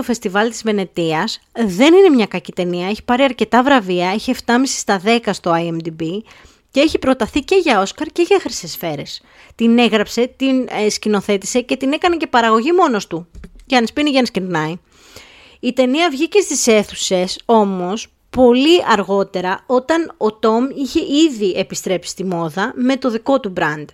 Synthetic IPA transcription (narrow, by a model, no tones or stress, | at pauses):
ofe̞st̪ivɐlt̪izve̞ne̞t̪iɐsðe̞nine̞mɲɐkɐcit̪e̞niɐe̞çi̥pɐɾiɐɾce̞t̪ɐvɾɐviɐeçie̞ft̪ɐmisi̥st̪ɐðe̞kɐst̪o̞ɐjemd̪ibi | ce̞eçipɾo̞t̪ɐθice̞ʝɐo̞skɐɾce̞ʝɐxɾisesfe̞ɾe̞s | t̪ine̞ɣɾɐpse̞t̪inescino̞θe̞t̪i̥se̞ce̞t̪ine̞kɐne̞ce̞pɐɾɐɣo̞ʝimo̞no̞st̪uʝɐnispiniʝɐniscind̪nɐi | it̪e̞niɐvʝice̞st̪ise̞θuse̞so̞mo̞s | po̞liʔɐɾɣo̞t̪e̞ɾɐo̞t̪ɐno̞t̪o̞miçe̞ʔiðiʔepist̪ɾe̞psi̥st̪imo̞ðɐme̞t̪o̞ðiko̞t̪ubɾɐnd̪̥